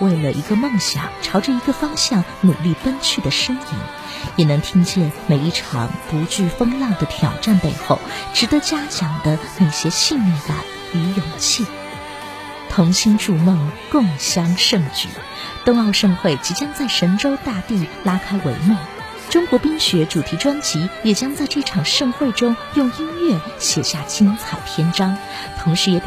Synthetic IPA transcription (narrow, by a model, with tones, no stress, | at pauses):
we˥˩ɪlə˩ʔi˧˥ɡə˧mɤ˥˩ŋɕjɑ̰˨˩˦ŋʈ͡ʂʰɑ˧˥ʊʈ͡ʂə˥˧i˧˥ɡə˧fɑ˥ŋɕjɑ˥˩ŋnu˨˩li˥˩pə˥nt͡ɕʰy˥˩d̪ə˩ʂɤ˥ŋḭ˧˥n | jɛ˨˩nɤ˧˥ŋt̪ʰi˥ŋt͡ɕjɛ˥˩nme˨˩ɪi˥˩ʈ͡ʂʰɑ̰˧˥ŋpu˧˥t͡ɕy˥˩fɤ˥ŋlɑ˥˩ŋd̪ə˩t̪ʰjɑ̰˨˩ʊʈ͡ʂa˥˩˧npe˥˧ɪxo˥˩ʊʈ͡ʂɻ̩˧˥d̪ə˧˥t͡ɕja˥t͡ɕʰjɑ˨˩ŋd̪ə˦ne˨˩ɪɕjɛ˥ɕi˥˧nmu˥˩p̪a˥˩ɪ | y˧˥jʊ˨˩ŋt͡ɕʰi˥˩ | t̪ʰʊ˧˥ŋɕi˥nʈ͡ʂu˥˧mɤ˥˧ŋkɤ˥˩ŋɕjɑ˥ŋʂɤ˥˧ŋt͡ɕy̰˨˩ | t̪ʊ˥˧ŋɑ˥˧ʊʂɤ˥˧ŋxwe˥˩ɪt͡ɕi˧˥t͡ɕjɑ˥ŋt͡sa˥˩ɪʂə˧˥nʈ͡ʂo˥ʊt̪a˥˧t̪i˥˩la˥kʰa˥ɪwḛ˧˥ɪmu˥˩ | ʈ͡ʂʊ˥ŋkwɔ˧˥pi˥ŋɕɥɛ˧˥ʈ͡ʂu˨˩t̪ʰi˧˥ʈ͡ʂwa˥nt͡ɕi˧˥jɛ˨˩t͡ɕjɑ˥ŋt͡sa˥˧ɪʈ͡ʂɤ˥˩ʈ͡ʂʰɑ˨˩ŋʂɤ˥˧ŋxwe˥˩ɪʈ͡ʂʊ˥ŋjʊ˥˩ŋi˥nɥɛ˥˩ | ɕjɛ˨˩ɕja˥˩t͡ɕʰi˥nt͡sʰa˨˩ɪt̪ʰjɛ˥nʈ͡ʂɑ˥ŋ | t̪ʰʊ˧˥ŋʂɻ̩˧˥jɛ˨˩